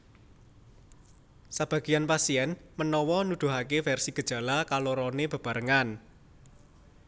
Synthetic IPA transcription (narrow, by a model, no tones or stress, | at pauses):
sab̥ä̤ɡ̥i̤janpasiɛnmənɔwɔnud̪̥ṳɦakefɛrsiɡ̥ə̤d̥ʒ̥a̤lakaloɾɔneb̥a̤b̥a̤ɾəŋan